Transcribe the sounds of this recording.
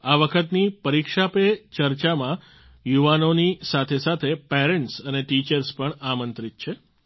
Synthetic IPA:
aʋəkʰət̪nipəɾikʃapet͡ʃəɾt͡ʃamã | juʋanonisat̪ʰesat̪ʰepɛɾeɳʈsəneʈit͡ʃəɾspəɳamənt̪ɾit̪̚t͡ʃʰe

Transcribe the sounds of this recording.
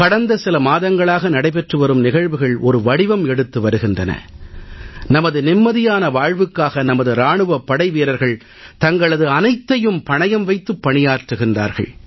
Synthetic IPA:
kɐɽɐnd̪ɐsɪlɐmaːðɐŋɡɐɭaːɣɐnɐɽɐɪpɛʈrɯʋɐɾɯmnɪɣɐɻʋɯɣɐɭɔɾɯʋɐɽɪʋɐmɛɽɯt̪ːɯʋɐɾɯɣɪndrɐnɐ̰ | nɐmɐðɯnɪmːɐðɪjaːnɐʋaːɻʋɯkːaːɣɐnɐmɐðɯɾaːɳɯʋɐpːɐɽɐɪʋiːɾɐɾɣɐɭ | t̪ɐŋɡɐɭɐðɯɐnɐɪt̪ːɐjɯmpɐɳɐjɐmʋɐɪt̪ːɯpːɐɳɪjaːɾʈrɯɣɪndra̰ːɾɣɐ̰ɭ

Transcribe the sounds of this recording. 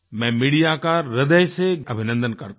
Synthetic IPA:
mɛ̃miːɽijakaɾɪd̪əjseɐbʱɪnə̃nd̪ənkɐɾt̪

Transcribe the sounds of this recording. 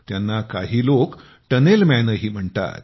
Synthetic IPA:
t̪janːakaɦiːlok | ʈənelmænəɦiːm̤əɳt̪a̰t̪

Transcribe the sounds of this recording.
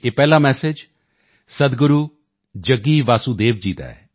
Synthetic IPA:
eːpɛːlaːmɛːsɪd͡ʒ | səd̪ɡʊɾuː | d͡ʒəɡiːʋaːsuːd̪eːʋd͡ʒiːd̪a̰ːɛ̰ː

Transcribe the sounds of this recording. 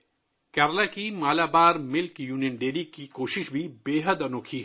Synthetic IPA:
kɛːɾlakimaːlaːbaːɾmɪlkjuːnijənɖeːɾikikoːʃɪʃbʱibeːɦəd̪ɐnoːkʰiː

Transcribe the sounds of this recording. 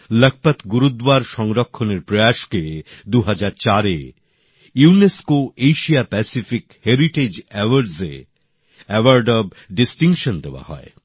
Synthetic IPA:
lək̚ʰpat̪ɡuɾud̪waɾʃɔŋɾokʰːoneɾpɾɔjaʃked̪uɦad͡ʑaɾt͡ɕaɾe | uuneskoejʃiapɛsifikheɾiʈed͡ʑɛwəɾɖsḛ | ɛwaɾɖɔb | ɖisʈiŋkʃond̪ewa̰hɔ̰ḛ

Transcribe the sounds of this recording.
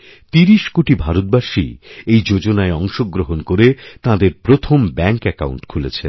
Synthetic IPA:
t̪iɾiʃkoʈibʱaɾot̪̚baʃḭejd͡ʑod͡ʑonaeɔŋʃoɡɾoɦonkoɾet̪ãd̪eɾpɾot̪ʰombɛŋkɛka̰wɳʈkʰulet͡ɕʰen

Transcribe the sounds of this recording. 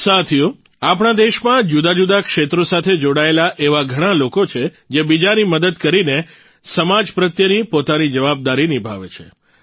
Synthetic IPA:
sat̪ʰju | apɽ̃ad̪eʃmãd͡ʒud̪ad͡ʒud̪akʃet̪ɾosat̪ʰed͡ʒoɽaelaʔeʋaɡʱəɽ̃alokot͡ʃʰe | d͡ʒebid͡ʒaniməd̪əd̪kəɾine | səmad͡ʒpɾət̪jənipot̪anid͡ʒəʋab̚d̪aɾinibʱa̰ʋḛt͡ʃʰḛ

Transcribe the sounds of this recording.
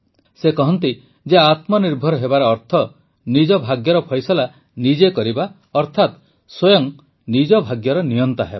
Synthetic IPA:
sekɔɦɔnt̪i | d͡ʒeat̪mɔniɾbʱɔɾɔɦebaɾɔːɾt̪ʰɔ | nid͡ʒɔbʱaɡjɔɾɔpʰɔjsɔla | nid͡ʒekɔɾiba | ɔɾt̪ʰat̪ | swojɔŋ | nid͡ʒɔbʱaɡjɔɾɔnijɔnt̪aɦeba

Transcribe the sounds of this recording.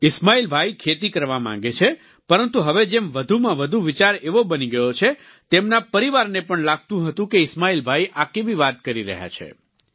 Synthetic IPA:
ɪsmailbʱaikʰet̪̬ikəɾʋamã̰ŋ̆ɡet͡ʃʰe | pəɾənt̪uɦəʋed͡ʒemʋəd̪ʱumãʋəd̪ʱuʋɪt͡ʃaɾeʋobəniɡəjot͡ʃʰe | t̪emnapəɾiʋaɾnepəɳlaɡ̚ʱt̪ũɦət̪ũkeɪsmailbʱaiʔakeʋiʋat̪̚kəɾiɾə̰ɦja̰t͡ʃʰḛ

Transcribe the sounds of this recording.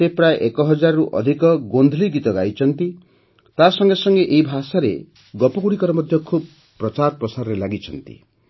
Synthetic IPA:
sepɾajeʔekɔɦɔd͡ʒaɾɔɾuʔɔ̰d̪ʱikɔɡond̪ʱliɡit̪ɔɡajt͡ʃʰɔnt̪i | t̪asɔŋɡesɔŋɡeʔeibʱasaɾḛ | ɡɔpɔɡuɽikɔɾɔmɔd̪ʱjɔkʰub̚ | pːɾɔt͡ʃaɾɔpɾɔsaɾɔɾelaɡit͡ʃʰɔnt̪ḭ

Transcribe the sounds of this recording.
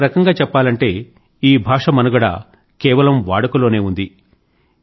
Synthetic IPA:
ɾɐkɐŋɡaːt͡ʃɛpːaːlɐɳʈe̞ː | iːbʱaːʂɐmɐnuɡɐɽa̰ː | kɛːʋɐlɐmʋaːɽɐkulo̞ːne̞ːund̪i

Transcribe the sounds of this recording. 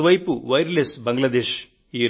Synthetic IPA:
ʋɐjpuʋɐjɾleːsbɐŋɡlɐd̪eːʃ | iːɾ

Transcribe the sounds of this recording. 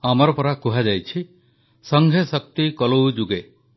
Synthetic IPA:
amɔɾɔpɔɾakuɦad͡ʒajt͡ʃʰi | sɔŋɡʱesɔk̚t̪ikɔlowd͡ʒuɡe

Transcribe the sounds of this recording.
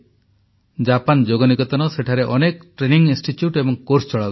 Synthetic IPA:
d͡ʒapand͡ʒoɡɔnikɔt̪ɔnɔseʈʰaɾeʔɔnek̚ʈɾeniŋinsʈiʈjuʈebɔŋkoɾst͡ʃɔɭa

